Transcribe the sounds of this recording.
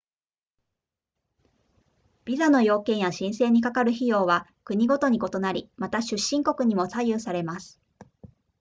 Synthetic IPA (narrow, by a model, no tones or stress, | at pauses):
b̥ʲizano̞jo̞ːkẽ̞ɰjaɕĩɰ̃se̞ːɲ̟ikakaɾɯ̟çijo̞ːβakɯ̟ɲ̟iɡo̞t̪o̞ɲ̟iko̞t̪o̞naɾʲimat̪aɕɨɕːĩŋko̞kɯ̟ɲ̟imo̞saijɯːsaɾe̞masɨ̥